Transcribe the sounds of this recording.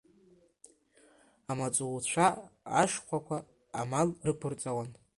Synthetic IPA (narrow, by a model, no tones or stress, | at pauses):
amat͡sʼuwt͡ɕʷʰaa̰ʂqʷakʷʰaː | malrɨkʷʰʊrt͡sʼawan